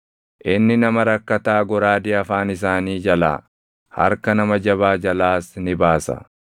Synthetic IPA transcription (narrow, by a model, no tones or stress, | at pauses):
ʔɪnːɪnɐmɐɾɐkːɐt̪aːɡɔɾaːd̪ɪɐfaːnɪs̬aːniːd͡ʒɐla̰ː | hɐ̰ɾkɐnɐmɐd͡ʒɐβaːd͡ʒɐlaːsnɪbaːsɐ̰